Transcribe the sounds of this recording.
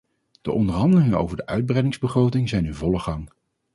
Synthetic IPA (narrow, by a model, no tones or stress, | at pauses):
d̥əʔɔndəɹɦɑndəlɪŋəo̰wvəɹdəʔœɥd̚brɛjdɪŋzbəχrowtɪŋzɛjnɪnvɔləχɑŋ